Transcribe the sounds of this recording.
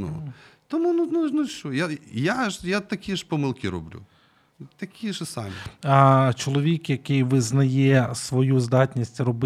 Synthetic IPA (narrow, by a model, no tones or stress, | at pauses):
nṵt̪ɔmunununuʃt͡ʃɔjajaʒjat̪ɐkʲiʒpɔmɪlˠkʲiɾɔ̰blʲṵ | t̪ɐkʲiʒsɑ̰mʲḭ | t͡ʃɔlˠɔʋʲikjɐkɪjʋɪznɐjɛsʋɔjuzd̪ɑtʲnʲisʲtʲrɔb